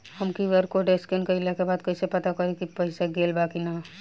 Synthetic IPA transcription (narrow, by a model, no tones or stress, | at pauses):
hɐmkiʋəɾkoɖeskenkɐɪlekebaːd̪̚kɐɪsepɐt̪akɐɾekipɐɪsaɡeːlbakina